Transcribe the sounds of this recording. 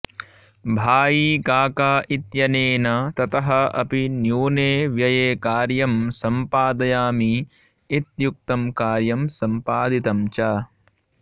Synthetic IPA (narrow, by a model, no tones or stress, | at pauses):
bʱaːjiːkaːkaːʔit̪jɐneːnɐt̪ɐt̪ɐɦɐɐ̰pinjuːneːʋjɐjeːkaːɾjɐmsɐmpaːd̪ɐjaːmiː | t̪juk̚t̪ɐmkaːɾjɐmsɐmpaːd̪it̪ɐmt͡ʃaː